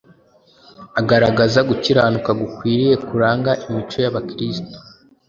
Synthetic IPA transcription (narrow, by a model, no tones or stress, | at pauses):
aɡaɾaɡazaɡuciɾaːnukaɡukwiːɾije̞kuɾaːŋɡaʔimit͡ʃojaβakɾisto̥